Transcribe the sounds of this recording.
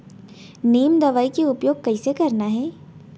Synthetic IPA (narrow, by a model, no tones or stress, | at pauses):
neːmd̪ɐʋaːikeʊpjoːɡ̚kɐisekɐɾnaɦɛː